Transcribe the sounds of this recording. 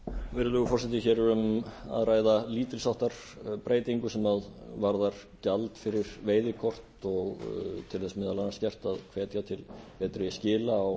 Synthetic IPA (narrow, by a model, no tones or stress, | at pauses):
vɪɾʏlʏɣʏfɔr̥s̬ɛt̪̬ɪçɛːɾʏma̰ðɾaːjðaliːt̪ɪlsawht̪aɾ̥ | pɾeːjt̪iŋkʏsɛmaðvaɾðaɾ̥ | calt̪fɪɾɪɾ̥veːjðɪkʰɔr̥t̪ɔɣt̪ʰɪlθɛsmɛːðalanːaɾscɛr̥t̪aðkʰvɛːt̪jat̪ʰɪlpɛːt̪ɾɪscɪːlaaw